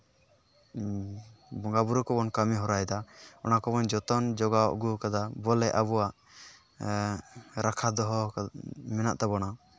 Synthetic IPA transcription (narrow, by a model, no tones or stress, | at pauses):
bɔŋɡabuɾukɔbɔnkamiɦɔɾajd̪aɔnakɔbɔnd͡ʒɔt̪ɔnd͡ʒɔɡaɔ̰ʔɡukad̪abɔlɛʔaβɔwaʔ | ɾʔakʰad̪ɔɦɔ | mɛna̰ʔt̪abɔna